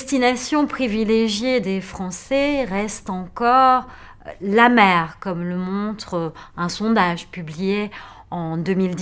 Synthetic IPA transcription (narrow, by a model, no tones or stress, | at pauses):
st̪inasjɔ̃pχivileʒjed̪efχɑ̃sɛʁɛst̪ɑ̃kɔʁ | lamɛʁkɔmləmɔ̃t̪χɛ̃sɔ̃d̪aʒpyblije | ɑ̃d̪ømild̪